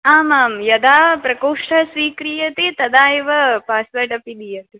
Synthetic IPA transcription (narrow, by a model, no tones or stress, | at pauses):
aːmaːmjɐd̪aːpɾɐkoːʂʈʰɐsʋiːkɾiːjɐt̪eːt̪ɐd̪aːjiʋɐpaːspɐɾʈɐpid̪ijɐnt̪e